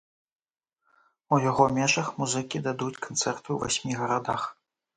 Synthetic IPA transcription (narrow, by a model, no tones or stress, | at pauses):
ujaɣɔmʲɛʐɐxmuzɨkʲid̪ad̪ut͡sʲkant̪sɛrt̪ɨwvasʲmʲiɣɐɾad̪ax